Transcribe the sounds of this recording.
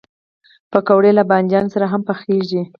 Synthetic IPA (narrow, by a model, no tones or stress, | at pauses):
pəkawɽelaband͡ʒjɑnosaɾaɦampəxeʒi